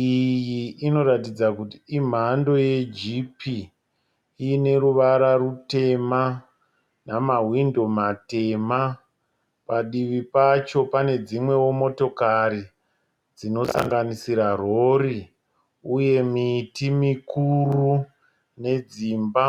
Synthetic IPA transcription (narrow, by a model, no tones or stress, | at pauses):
ijiːno̞ɾatid͡zakutiim̤ando̞je̞d͡ʒipi | ine̞ɾuʋaɾarute̞ma | namaɦwindo̞mate̞ma | paɗiʋipat͡ʃo̞pane̞d͡zimwe̞womo̞to̞kaɾi | d͡zino̞sa̰ŋɡanisiɾaro̞ri | uje̞mitimikuru | ne̞d͡ziːmba